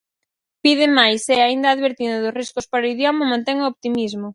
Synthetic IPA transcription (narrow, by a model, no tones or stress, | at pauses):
piðɪmajsɛaind̪ɐaðβeɾt̪ind̪ʊðʊsriskʊspaɾoiðjɔmɐmãnt̪eŋoopt̪imizmʊ